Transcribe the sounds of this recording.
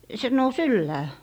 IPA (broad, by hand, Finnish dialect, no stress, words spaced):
se nous ylːæː